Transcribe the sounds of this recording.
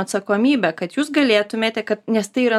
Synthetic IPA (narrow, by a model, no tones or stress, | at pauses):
ɐt̪sɐkoːmʲiːbʲɛkɐt̪juːsɡɐlʲeːt̪ʊmʲeːt̪ʲɛkɐt̪nʲɛst̪ɐɪiːɾɐ